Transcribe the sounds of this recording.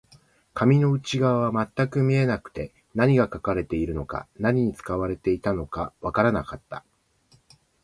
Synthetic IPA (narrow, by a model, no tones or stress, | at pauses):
kʰamʲino̞ɯ̟t͡ɕiɡaβaβamat̪ːakɯ̟mʲie̞nakɯ̟̥t̪e̞ | naɲ̟iɡakakaɾe̞t̪e̞iɾɯ̟no̞ka̰naɲ̟iɲ̟it͡sɨ̥kaβaɾe̞t̪e̞it̪ano̞kaβakaɾanakat̪ːa